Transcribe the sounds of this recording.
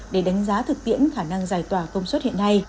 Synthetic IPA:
ɗe˧˩ɗa˨˦jŋ̟zaː˨˦t̪ʰɨ˨˩k̚t̪ḭ˧˨ənxaː˧˩na˧ŋzaː˨˩jt̪waː˧˩kə˧wŋ͡mswə˦˥t̚hḭ˧˨ə˨nːa˧j

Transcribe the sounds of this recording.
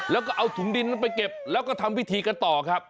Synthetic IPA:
lɛː˦˥wkɔː˥˩ʔa˧wt̪ʰu˩˦ŋdi˧nː˧npa˧jke˨˩p̚lɛː˦˥wkɔː˥˩t̪ʰa˧mwi˦˥t̪ʰiː˧ka˧nt̪ɔː˨˩kʰɾa˦˥p̚

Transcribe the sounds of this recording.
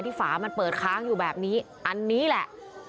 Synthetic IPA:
jt̪ʰiː˥˩faː˩˦ma˧npɤː˨˩t̪̚kʰaː˦˥ŋjuː˨˩bɛː˨˩p̚niː˦˥ | ʔa˧nːiː˦˥lɛ˨˩ʔ

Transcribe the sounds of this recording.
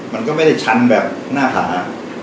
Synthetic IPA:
ma˧nkɔː˥˩ma˥˩jda˥˩jt͡ɕʰa˦˥nbɛː˨˩p̚ | naː˥˩ɦa̰ː˩˦

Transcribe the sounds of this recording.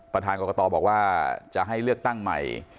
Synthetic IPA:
pɾa˧t̪ʰaː˧nkɔː˧kɔː˧t̪ɔː˧bɔː˨˩k̚waː˥˩t͡ɕa˨˩ɦa˥˩jlɯ˥˩ək̚t̪a˥˩ŋma̰˨˩j

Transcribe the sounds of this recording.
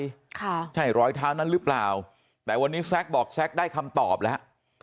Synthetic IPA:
kʰa˥˩t͡ɕʰa˥˩jɾɔː˦˧˥jt̪ʰaː˦˥wna˦˥˩ɾɯ˦˥plaː˨˩w | t̪ɛː˨˩wa˧nːiː˦˥sɛ˦˥k̚bɔː˨˩k̚sɛ˦˥k̚daː˥˩jkʰa˧mt̪ɔ̰ː˨˩p̚lɛ˦˥ʔ

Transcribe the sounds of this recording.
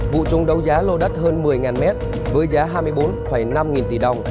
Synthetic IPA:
vṵ˧˨t͡ɕʊ˨˦ŋ͡mɗə˨˦wzaː˨˦lo˧ɗə˦˥t̚həː˧nmɨ˨˩əjŋaː˨˩nmɛ˦˥t̚ | vəː˨˦jzaː˨˦ɦaː˧jmɨ˧əjɓo˨˦nfə˧˩jna˧mŋi˨˩nt̪i˧˩ɗə˨˧˩wŋ͡m

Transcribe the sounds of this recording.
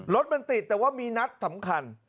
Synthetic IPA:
ɾo˦˥t̪̚ma˧nt̪i˨˩t̪ːɛː˨˩waː˥˩miː˧na˦˥t̪̚sa˩˦mkʰa˧n

